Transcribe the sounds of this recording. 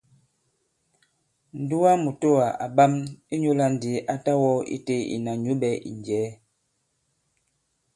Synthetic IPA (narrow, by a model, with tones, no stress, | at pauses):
n̩˨du˦wa˦mu˨to˦a˨a̰˨ba˦mi˦ɲo˦la˦n̩˨di˨˦ʔa˦ta˦wɔ˦ḭ˦te˦ḭ˨na˨ɲu˨˦ɓɛ˨˦ʔḭ˨n˨d͡ʒɛː˨˦